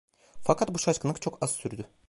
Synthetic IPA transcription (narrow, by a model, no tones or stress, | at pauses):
fakʰat̪̚buʃat͡ʃkɯnɯkt͡ʃʰo̞kaz̥syɾd̪y